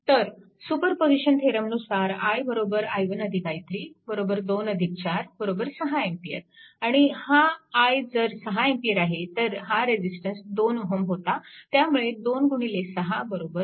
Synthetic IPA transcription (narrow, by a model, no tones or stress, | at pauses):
t̪əɾ | supəɾpod͡ziɕənt̪ʰeɾəmnusaɾajbəɾobəɾajʋənəd̪ʱikajt̪ɾiːbəɾobəɾd̪onəd̪ʱik̚t͡ɕaɾbəɾobəɾsəɦaempijə̰ɾaɽ̃ihaːjd͡zəɾsəɦaempijəɾaɦet̪əɾɦaɾed͡ʑisʈənsd̪onoɦəmɦot̪at̪jamuɭed̪onɡuɳ̃ilesəɦabəɾobəɾ